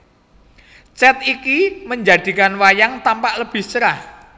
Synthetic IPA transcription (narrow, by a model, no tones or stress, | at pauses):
t͡ʃɛt̪̚ikiməɲd͡ʒad̪̥i̤kanwajaŋt̪ampaʔləb̥ɪ̤ht͡ʃəɾah